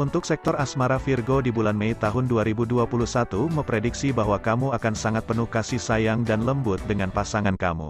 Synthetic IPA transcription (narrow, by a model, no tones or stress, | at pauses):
unt̪ʊksɛk̚t̪ɔrasmaɾafirɡodibulanmeit̪aɦʊnduaɾibuduapulusat̪uməmpɾediksibaɦwakamuakansaŋat̪̚pənuhkasisajaŋdanləmbʊt̪̚dəŋanpasaŋankamṵ